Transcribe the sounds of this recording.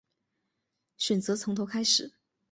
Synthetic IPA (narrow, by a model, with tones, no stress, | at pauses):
ɕɥɛ˨˩nt͡sɤ˧˥t͡sʰʊ˧˥ŋt̪ʰo˧˥ʊkʰa˥ɪʂɻ̩˨˩˦